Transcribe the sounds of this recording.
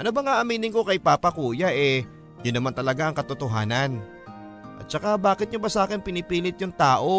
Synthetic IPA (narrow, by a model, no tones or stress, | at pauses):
ʔɐnobɐŋaːʔɐmiːnɪnko̞kɐjpaːpɐkuːjɐʔɛ | jʊnːɐmant̪ɐlɐɡaʔɐŋkɐt̪ot̪oɦaːnɐn | ʔɐ̰t̪̚t͡ʃɐkabaːkɪt̪̚ɲʊbɐsaːkɛnpɪnɪpiːlɪt̪̚jʊŋt̪aːʔo̞